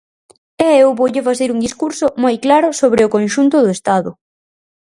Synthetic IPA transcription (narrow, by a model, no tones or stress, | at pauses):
ɛewβowʎɪfaθeɾuŋd̪iskuɾsʊmojklaɾʊsoβ̞ɾɪʊkõnʃunt̪ʊðʊest̪aðʊ